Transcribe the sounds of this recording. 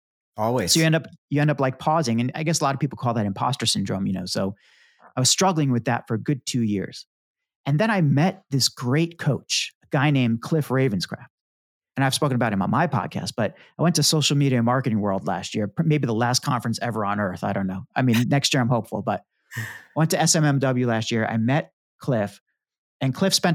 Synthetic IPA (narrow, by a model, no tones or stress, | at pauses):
ɔlˠwisoʊjɨɛ̃ndʌp̚jɨɛ̃ndʌplaɪk̚pʰɔzɪ̃ŋɨ̃na̰ɪɡɛsəlɑɾʌv̥pipl̩ˠkʰɔlˠðɨɾɨ̃mpʰɑ̰stə˞sɨ̃n̩dɹõʊ̃mjɨnoʊsoʊ | aɪwʌz̥stɹ̥ʌɡl̩ˠɪ̃ŋwɨðɨ̰tfə˞ɡʊd̚tʰʉjɪ̰ɹz̥ | ɨ̃nðɨ̃ɾ̃aɪmɛt̪̚ðɪsɡ̥ɹeɪt̚kʰoʊt͡ʃəɡ̥aɪnẽɪ̃mkʰl̥ɪfɹeɪvɨ̃nz̥kʰɹ̥æ̰ft̚ | ɨ̃ñaɪv̥spoʊkɨ̃nəbaʊt̚hɨ̃mə̰̃nmaɪpʰɑ̰d̚kʰæ̰st̚b̥ʌɾaɪwɛ̃ntɨsoʊʃl̩ˠmiɾiɨ̃mɑɹkɨɾɪ̃ŋwɜ˞lˠdˡlæ̰st̚jɪɹmeɪbiðəlæskʰɑ̃ɱfɹɨ̃nsɛvə˞ə̃nɜ˞θaɪɾõʊ̃nːoʊaɪmĩnnɛkst̚jɪɹãɪmhoʊpfl̩ˠbʌt̚ | aɪwɛ̃ntɨɛsɛ̃mɛ̃mdʌbl̩ˠjʉlæst̚jɪɹa̰ɪmɛt̚ | kʰl̥ɪf | ɨ̃nkʰl̥ɪfspɛ̃n